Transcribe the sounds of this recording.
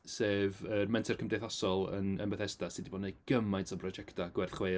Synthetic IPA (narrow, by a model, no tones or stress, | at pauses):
seːvərmɛntʰɛrkʰəmdejθɔsɔlˠə̰nə̰nbəθɛstasidibɔːdnejɡ̥əmajntʰɔbrɔd͡ʒɛktʰaɡ̥wɛrθχweː